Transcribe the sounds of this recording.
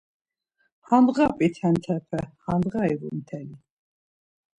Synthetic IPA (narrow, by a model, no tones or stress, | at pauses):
hand̪ʁapʼit̪ʰɛnt̪ʰɛpʰɛhand̪ʁaiɾṵmt̪ʰɛli